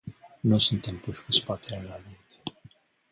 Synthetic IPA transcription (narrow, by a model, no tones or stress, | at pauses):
nusunt̪e̞mpuʃʲkuspat̪eɾalaliŋd